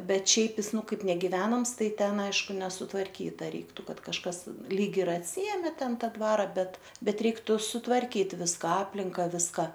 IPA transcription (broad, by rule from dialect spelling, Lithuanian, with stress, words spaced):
ˈbʲɛt ˈʃʲɛɪp ˈjɪs ˈnʊ ˈkɐɪp nʲɛɡʲɪˈʋʲæːnɐms ˈtɐɪ ˈtʲɛn ˈɐɪʃkʊ nʲɛsʊtʋɐrʲˈkʲiːtɐ ˈrʲɛɪktʊ ˈkɐt kɐʃˈkɐs lʲiːk ɪr ɐtʲˈsʲɪeːmʲeː ˈtʲɛn ˈtɑː ˈdʋɑːrɐ ˈbʲɛt ˈbʲɛt ˈrʲɛɪktʊ sʊtʋɐrʲˈkʲiːt ˈʋʲɪskɐ ˈɑːpʲlʲɪŋkɐ ˈʋʲɪskɐ